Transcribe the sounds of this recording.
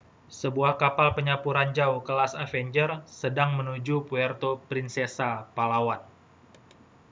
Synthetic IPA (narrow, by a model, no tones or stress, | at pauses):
səbuahkapalpəɲapuɾand͡ʒaukəlasafɛɲd͡ʒərsədaŋmənud͡ʒupuɛrt̪opɾinsɛsapalawan